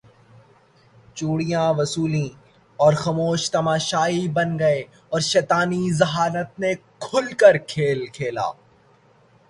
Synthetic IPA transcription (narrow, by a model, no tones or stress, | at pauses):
t͡ʃuːɽijãʋɐsuːlĩ | ɔːɾxɐmoːʃt̪ɐmaːʃaːibɐnɡɐe | ɔːɾʃɛːt̪aːnizɐɦaːɾət̪̚nekʰʊlkəɾkʰeːlkʰeːla̰ː